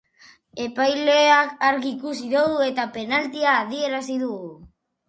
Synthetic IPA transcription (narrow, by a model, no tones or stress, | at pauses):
e̞pajle̞akaɾɣiːkusiðoɣue̞t̪ape̞nalt̪iaːð̞ie̞ɾasiðuɣu